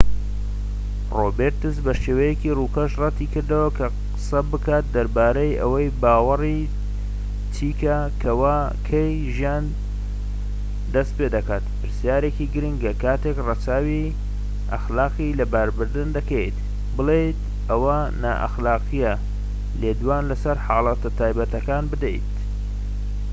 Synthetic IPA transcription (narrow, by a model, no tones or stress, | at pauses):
roːbeɾt̪ɨsbɐʃeːwɐjekiruːkʰɐʃrɐt̪iːkɨɾd̪ɐwɐkʰɐqɨ̥sɐbɨkaːt̪̚d̪ɐɾbaːɾɐjʔɐ̰wɐjbaːwɐri | t͡ʃʰiːka | kʰɐwaː | kʰɐj | ʒijaːn | d̪ɐst̪̚peːd̪ɐkaːt̪pɨɾsijaːɾekiɡɨɾɨŋɡɐkaːt̪ekrɑt͡saːwi | ʔɐ̰xlaːqilɐbɐɾbɨɾd̪ɨnd̪ɐkʰejt̪ | bɨlˠejt̪ | ɐwɐ | na̰ːʔɐ̰xlaːqijɐ | leːd̪waːnlɐsɐɾħaːlˠɑt̪ɐt̪ʰaːjbɐt̪ɐkaːnbɨd̪ḛjt̪